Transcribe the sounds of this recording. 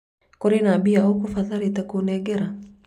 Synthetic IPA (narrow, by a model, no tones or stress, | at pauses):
koɾinabiaokufaðaɾitakonɛɡɛɾa